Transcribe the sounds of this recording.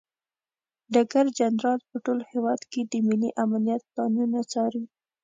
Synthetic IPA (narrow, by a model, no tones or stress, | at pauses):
ɖaɡaɾd͡ʒanɾɑlpəʈolhewɑd̪ked̪əmiliʔamanijat̪ːɑnunat͡sɑɾi